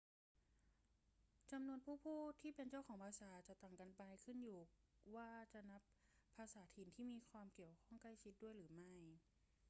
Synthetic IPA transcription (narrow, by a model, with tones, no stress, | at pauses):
t͡ɕa˧mnu˧ənpʰuː˥˩pʰuː˥˩t̪ʰːiː˥˩pe˧nt͡ɕa˥˩wkʰɔː˩˦ŋpʰaː˧saː˩˦t͡ɕa˨˩t̪a˨˩ŋka˧npa˧jkʰɯ˥˩njuː˨˩waː˧˥˩t͡ɕa˨˩na˦˥pʰːaː˧saː˩˦t̪ʰiː˨˩nt̪ʰiː˥˩miː˧kʰwaː˧mki˨˩əwkʰɔː˥˩ŋkla˥˩jt͡ɕʰi˧˦˥t̪̚du˥˩əjɾɯː˩˦ma˥˩j